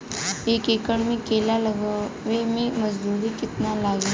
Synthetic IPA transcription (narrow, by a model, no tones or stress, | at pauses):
eːkeːkəɽmẽkeːlalɐɡaʋemẽmɐzd̪uːɾikɪt̪nalaːɡi